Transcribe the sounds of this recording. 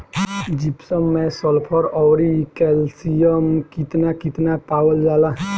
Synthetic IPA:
d͡ʒipsəmːɛ̃sɔlpʰɔɾɔwɾikɛlsijəmkit̪nakit̪napawəld͡ʒala

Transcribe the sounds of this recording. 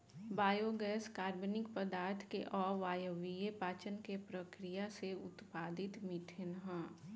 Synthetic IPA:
baːjoɡɛːskaːɾbonɪkpəd̪aːɾt̪ʰkḛʔɔːɾʋaːjəʋijepaːt͡ʃənkepɾəkɾɪjaseʊt̪paːd̪ɪt̪mɪʈʰɪnɦɛ̃ː

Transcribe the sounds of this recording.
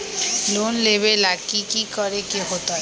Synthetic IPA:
lonleβelakikikɔɾekeɦot̪o

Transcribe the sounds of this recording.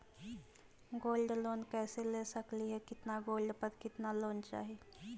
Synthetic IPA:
ɡoːlɖloːnkɛːselesəkliɦɛkɪt̪naɡoːlɖpəɾkɪt̪naloːnt͡ʃa̰ːɦie

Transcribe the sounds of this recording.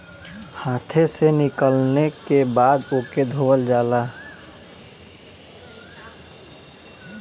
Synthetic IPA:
hãːt̪ʰesenɪkəlnekebaːd̪oked̪ʱoːʋəld͡ʒaːla

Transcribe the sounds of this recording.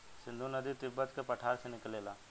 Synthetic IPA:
sɪnd̪oːnəd̪iːt̪ɪbət̪kepəʈʰaːɾsenɪkleːlaː

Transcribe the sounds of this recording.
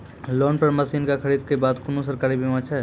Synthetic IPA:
loːnpɐɾmɐsiːnkakʰɐɾiːd̪kebaːd̪kʊnũs̬ɐɾkaːɾibʱimãːt͡ʃʰɛ

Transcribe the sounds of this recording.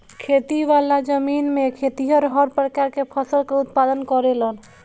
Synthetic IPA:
kʰet̪iʋalad͡ʒəminmekʰet̪iɦəɾɦəɾpɾəkaɾkepʰəsəlkeut̪̚pad̪ənkɔɾelən

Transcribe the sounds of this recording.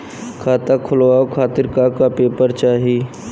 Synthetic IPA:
kʰaːt̪akʰʊloaːokʰaːt̪ɪɾkakapeːpəɾt͡ʃaːɦiː

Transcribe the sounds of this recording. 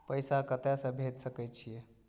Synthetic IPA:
pəjsakət̪jasəbʱet̪səkəjt͡ɕije

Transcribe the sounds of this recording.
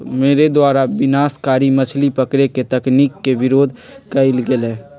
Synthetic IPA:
meːɾed̪waːɾabɪnaːskaːɾimət͡ʃʰlipəkɾeket̪ɐknikːebɪɾoːd̪ʱ | kəɪlɡelẽː

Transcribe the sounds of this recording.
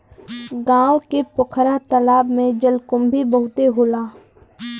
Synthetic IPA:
ɡãːwkepʊkʰɾat̪əlaːbmẽd͡ʒəlkʊmbʱibəɦʊt̪eɦoːlaː

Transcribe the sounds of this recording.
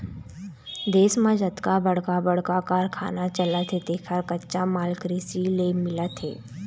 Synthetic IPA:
d̪eːsməd͡ʒət̪kabəɽkabəɽkakaːɾkʰa̰ːnat͡ʃəlat̪ʰet̪ekʰaɾkətːt͡ʃamalkɾisilemɪlat̪ʰḛː

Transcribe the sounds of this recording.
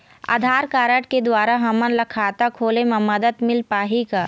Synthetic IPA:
a̰ːd̪ʱaːɾkaːɾəʈked̪waːɾaɦɐmənlɐkʰaːt̪akʰoːlemãmɐd̪əd̪mɪlpaːɦikaː

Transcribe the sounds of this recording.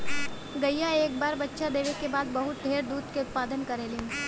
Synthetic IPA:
ɡɐijːaeːk̚baːɾbɐtːʃad̪eːʋekebaːd̪̚bɐɦʊt̪̚ɖʱeːɾd̪uːd̪keʊt̪̚paːd̪ənkɐɾeːle

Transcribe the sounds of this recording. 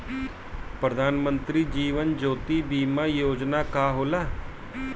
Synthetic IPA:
pɾəd̪ʱaːnmə̃nt̪ɾiːd͡ʒiːʋənd͡ʒoːt̪iːbiːmaːjoːd͡ʒnaːkaːɦoːlaː

